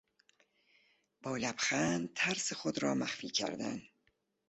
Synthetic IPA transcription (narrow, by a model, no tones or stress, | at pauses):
b̥ɒːlæbxænt̪ʰæɾsexod̪ɾɒːmæxfiːkʰæ̰ɾd̪æ̰n